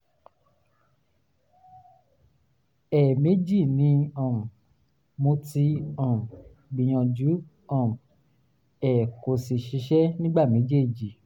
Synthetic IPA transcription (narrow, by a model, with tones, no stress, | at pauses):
ɛ˨me˨˦d͡ʒi˦˨nĩ˧˦ɔ̃˨ | mõ˧ti˧ɔ̃˦˨m˨ | ɡ͡bĩ˨j̃ɔ̃˧d͡ʒu˨˦ | ɔ̃˦˨ | ɛ˨ko˨si˨ʃi˨˧˦ʃɛ˦nĩ˦ɡ͡ba˦˨mẽ˨˦d͡ʒe˦˨d͡ʒi˨